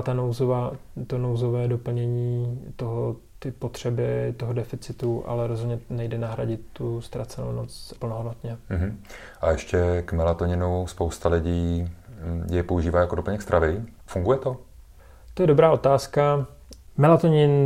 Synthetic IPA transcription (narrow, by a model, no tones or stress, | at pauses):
t̪anowzovat̪onowzovɛːdo̞pl̩ɲɛɲiːt̪o̞ɦo | t̪ɪpo̞t̪r̝̥ɛbɪt̪o̞ɦodɛfɪt͡sɪt̪uʔa̰lɛɾozɦod̪ɲɛnɛjdɛnaɦɾa̰ɟɪt̪ːust̪ɾat͡sɛno̰wnot͡spl̩noɦodnot̪ɲɛɦm̩ | ʔajɛʃcɛkmɛlat̪oɲɪnuspowst̪alɪɟiː | jɛjpouʒiːvaːjakodopl̩ɲɛkst̪ɾʔavɪ | fuŋɡujɛt̪o | t̪ojɛdo̞bɾaːo̞t̪aːska | mɛlat̪oɲɪn